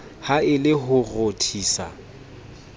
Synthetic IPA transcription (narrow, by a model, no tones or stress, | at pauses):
haɪlɪɦʊrotʰiːsa̰